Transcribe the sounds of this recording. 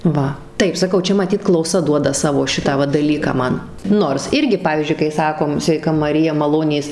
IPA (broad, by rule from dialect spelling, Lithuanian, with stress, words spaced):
ˈʋɐ ˈtɐɪp sɐˈkɐʊ ˈt͡ʃʲɛ mɐˈtʲiːt klˠɐʊˈsɐ ˈduɔdɐ ˈsɑːʋoː ˈʃʲɪtɑː ʋɐ dɐˈlʲiːkɑː ˈmɐn ˈnoːrs ˈɪrʲɡʲɪ ˈpɑːʋʲiːzʲd͡ʒʲʊɪ kɐɪ ˈsɑːkoːm sʲʋʲɛɪˈkɐ mɐˈrʲɪjɛ mɐˈlˠoːnʲeːs